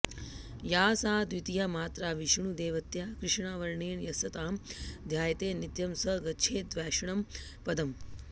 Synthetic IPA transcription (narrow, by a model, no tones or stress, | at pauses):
jaːsaːd̪ʋit̪ijaːmaːt̪ɾaːʋiʃɳ̃ud̪eːʋɐt̪jakɾɪʂɳaːʋɐɾɳeːɳjɐsɐt̪aːmd̪ʱjaːjɐt̪eːnit̪jɐmsɐɡɐt͡ʃʰeːd̪ʋɛːʃɐɳɐm | pɐd̪ɐm